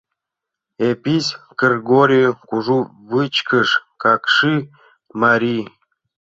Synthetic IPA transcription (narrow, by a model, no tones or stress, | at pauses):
epʲisʲ | ɡ̥erɡoɾʲijkuʐu | vɨt͡ɕkəʂkakʂɨ | maɾʲi